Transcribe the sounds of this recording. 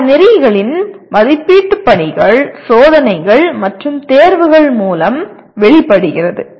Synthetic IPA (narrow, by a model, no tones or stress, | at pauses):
nɪɾɐjɣɐɭɪnmɐðɪpːiːʈːɯpːɐɳɪɣɐɭsoːðɐnɐɪɣɐɭmɐʈrɯmt̪eːɾʋɯɣɐɭmuːlɐm | ʋɛɭɪpːɐɽɯɣɪrɐðɯ